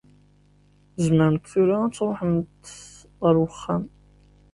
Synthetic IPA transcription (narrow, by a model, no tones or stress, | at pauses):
zməɾəmt̪θuɾææt͡sːɾˤoħəmt̪ | ʁəɾwəχːæm